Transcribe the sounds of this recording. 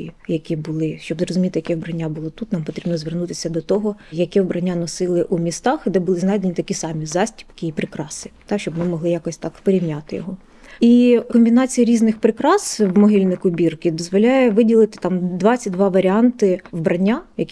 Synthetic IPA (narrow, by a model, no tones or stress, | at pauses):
jɐkʲibʊlˠɪʃt͡ʃɔbzɾɔzʊmʲit̪ɪjɐkʲɛʋbɾɐnʲːabʊlˠɔt̪ut̪nɑmpɔt̪ɾʲibnɔzʋernut̪ɪsʲɐd̪ɔt̪ɔɦɔjɐkʲɛʋbɾɐnʲːanɔsɪlˠɪʔumʲist̪ɑxd̪ɛbʊlˠɪznɑjd̪enʲit̪ɐkʲisɑmʲizɑsʲtʲi̥pkɪːpɾɪkɾɑsɪ̥t̪ɑʃt͡ʃɔbmɪmɔɦlˠɪjakɔsʲt̪ɑkpɔɾʲiwnʲat̪ɪjɔ̰ɦɔ | ikɔmʲbʲinɑt͡sʲijɐɾʲiznɪxpɾɪkɾɑswmɔɦilʲnɪjkʊbʲirkɪd̪ɔzʋɔlʲajɛʋɪdʲilˠɪt̪ɪ̥t̪ɑmd̪ʋɑt͡sʲːɐt̚ʲd̪ʋɑʋɐɾʲɪɑnt̪ɪʋbɾʔɐnʲːajɐkʲ